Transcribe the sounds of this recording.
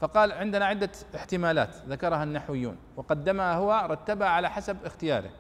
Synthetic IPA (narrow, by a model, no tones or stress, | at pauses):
fɑqɑːlʕɪnd̪ɪnaʕɪd̪ːaɪħt̪ɪmaːla̰ːt̪ðakɑɾˤɑhanːaħwɪjːṵːn | wɪqɑd̪ːamaahʊwaɾˤɑt̪ːabaʕalaħasabɪxt̪ɪjaːɾɪ̰